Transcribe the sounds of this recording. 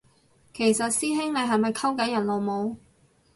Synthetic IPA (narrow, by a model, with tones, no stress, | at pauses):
kʰe˨˩jsɐ˨t̚siː˥ɦɪ˥ŋne˨˧jɦɐ˨jmɐ˨jkʰɐ˥wkɐ˨˥jɐ˨˩nlo˨wmo˨˧w